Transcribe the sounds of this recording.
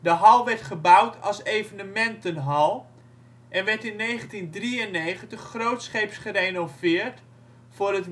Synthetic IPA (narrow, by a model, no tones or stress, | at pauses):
dəɦɑlˠʋɛɹtχəbawtʰɑ̰lˠsejvənəmɛntənɦɑlˠ | ʔɛnʋɛɹtɪnːejχəntindriənːejχəntəχːrowtsχejpsχərenovɪːrt | fʊːrət